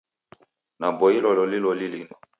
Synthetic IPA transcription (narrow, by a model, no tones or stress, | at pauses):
nabɔilɔlɔlilɔlilinɔ